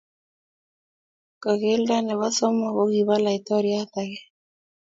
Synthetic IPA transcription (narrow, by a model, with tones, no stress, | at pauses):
ka˨ɣe˦lda˦nɛ˨βa˦sɔ˦mɔ˨ɣo˦ɡi˨βa˦la˨i˨t̪ɔ˦ɾja˦t̪aɣe˦